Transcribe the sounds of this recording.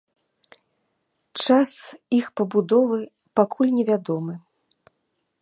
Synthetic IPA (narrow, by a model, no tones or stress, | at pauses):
t͡ʂasixpɐbud̪ɔvɨ | pakʰulʲnʲɛvʲad̪ɔmɨ